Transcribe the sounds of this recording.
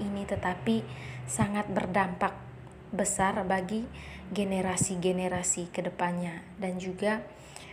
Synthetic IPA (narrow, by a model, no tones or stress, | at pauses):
init̪ət̪apisaŋat̪̚bərdampak̚ | bəsarbaɡiɡeneɾasiɡeneɾasikədəpanɲa | dand͡ʒuɡa